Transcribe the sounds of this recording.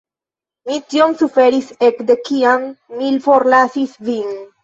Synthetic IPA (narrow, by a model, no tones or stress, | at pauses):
mit̪jonsufeɾisekd̪ekianːilfoɾlasisviŋ